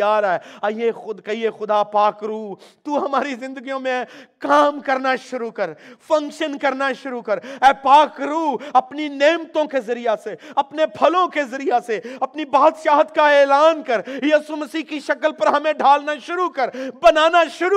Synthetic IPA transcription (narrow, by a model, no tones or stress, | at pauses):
aːɾɛaexʊd̪kɐiexʊd̪apaːkɾuːt̪uɦɐmaːɾizɪ̃nd̪əɡijõmẽkaːmkɐɾnaʃʊɾukɐɾpʰɐ̃ŋkʃənkɐɾnaʃʊɾukɐɾɛːpaːkɾuːɐpnineːmt̪õkezɐɾijaseɐpnepʰɐlõkezɐɾijaseɐpnibaːd̪ʃaːɦt̪kaeːlaːnkɐɾjiːsuməsiːɦkiʃɐkəlpɐɾɦɐmẽɖʱaːlnaʃʊɾukɐɾbɐnaːnaʃʊɾu